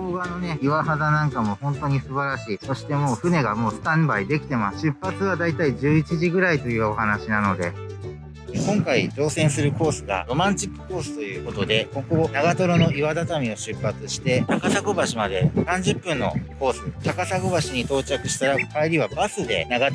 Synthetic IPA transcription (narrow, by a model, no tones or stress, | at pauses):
oːɡano̞ne̞iβaɦad̪anãŋkamo̞hõ̞nt̪o̞ɲ̟isɨbaɾaɕiːso̞ɕi̥t̪e̞mo̞ːɸɯ̟ne̞ɡamo̞ːsɨ̥t̪ãmbaid̪e̞kʲi̥t̪e̞masɨ̥ɕɨpːat͡sɨβad̪ait̪aiʑɨːit͡ɕiʑiɡɯ̟ɾait̪o̞jɯ̟ːo̞ɦanaɕinano̞d̪e̞̰ | kõ̞ŋkaid͡ʑo̞ːsẽ̞ɰ̃sɨɾɯ̟ko̞ːsɨɡa̰ɾo̞mãɲ̟t͡ɕikːɯ̥ko̞ːsɨ̥t̪o̞jɯ̟ːko̞t̪o̞d̪e̞ko̞ɡo̞naɡat̪o̞ɾo̞no̞iβad̪at̪amʲio̞ɕɨpːat͡sɨɕi̥t̪e̞t̪akasaɡobaɕimad̪e̞̰sãɲ̟d͡ʑɨpːɯ̟̃nːo̞̰ko̞ːsɨt̪akasaɡobaɕiɲ̟it̪o̞ːt͡ɕakɯ̟̥ɕi̥t̪aɾakaiɾʲiβabasɨd̪e̞̰naɡa